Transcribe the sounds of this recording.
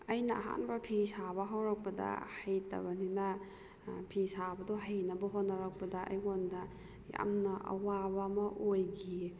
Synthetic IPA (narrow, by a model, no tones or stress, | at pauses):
ɐjnɐːɦa̰nbɐpʰisabɐɦawɾɐk̚pɐdɐ̰hɐjtɐ̰bɐninɐ | pʰisabɐdoɦajnɐbɐɦotnːɐɾɐk̚pɐdɐʔɐ̰jŋondɐ | ja̰mnɐʔɐ̰wabɐːmɐʔojɡi